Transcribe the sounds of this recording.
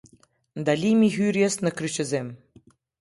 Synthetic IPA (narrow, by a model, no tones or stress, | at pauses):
d̪alʲimʲiɣyɾʲjesnə̆kɾyt͡ɕɘ̆zem